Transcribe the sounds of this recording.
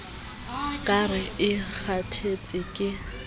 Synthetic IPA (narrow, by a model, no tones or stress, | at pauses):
kʼarɪɪk͡xʰatʰet͡sʼɪkʼɪ